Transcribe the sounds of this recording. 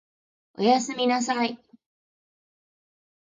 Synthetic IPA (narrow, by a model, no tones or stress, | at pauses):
ʔjasəminasaʕaj